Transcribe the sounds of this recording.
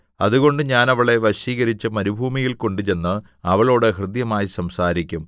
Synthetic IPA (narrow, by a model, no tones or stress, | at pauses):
ɐðuɣo̞ɳɖɨɲaːnɐʋɐɭe̞ʋɐɕiːɣɐɾit͡ɕːɨmɐɾubʱuːmijilko̞ɳɖut͡ɕe̞nːɨ | ɐʋɐɭo̞ːɽɨɦrɨd̪jɐmaːjisɐmsaːɾikʲːum